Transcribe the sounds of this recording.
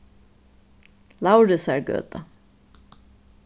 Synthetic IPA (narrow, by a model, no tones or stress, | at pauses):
lawɾɪsæɹɡø̰ːt̪a